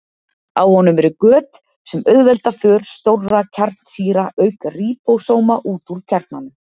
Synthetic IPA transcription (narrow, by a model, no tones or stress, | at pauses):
awhɔnːʏmɛɾʏkœːt̪ | sɛmœðvɛlt̪afœːɾ̥st̪owrːacʰaɾt̪n̥siːɾaʔœːɥkariːpowsoːwmaʔuːt̪uɾ̥cʰɛɾt̪nanʏ